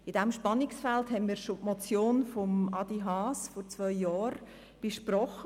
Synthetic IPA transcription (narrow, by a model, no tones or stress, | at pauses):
ɪd̥ɛmʃpɑnɪksfɛlthɛnmiːɾʃotmɔt͡sjoːnfɔmʔɑd̥iɦɑːsfɔɾt͡svœʏjɑːɾ | b̥eʃprɔχə